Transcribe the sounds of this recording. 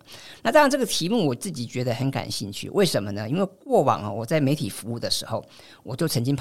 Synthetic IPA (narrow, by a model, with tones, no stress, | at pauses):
na˥˧ʈ͡ʂɑ˥˩˧ŋʈ͡ʂɤ˥˩ɡə˩t̪ʰi˧˥mu˥˩wɔ˨˩t͡sɹ̩˥˩t͡ɕi˨˩t͡ɕɥɛ˧˥d̪ə˧xə˧˥nka̰˨˩nɕḭ˥˧nt͡ɕʰy̰˥˩wʔe˥˩ɪʂə˧˥nmə˧nə˦i˥nwe˥˧ɪkwɔ˥˩wɑ̰˨˩ŋɐ̰˦wɔ˨˩t͡sa˥˩ɪme˧˥ɪt̪ʰi˨˩fu˧˥u˥˩d̪ə˩ʂɻ̩˧˥xo˥˧ʊ | wɔ˨˩t͡ɕjo˥˩ʊt͡sʰə˧˥ŋt͡ɕi˥ŋpʰ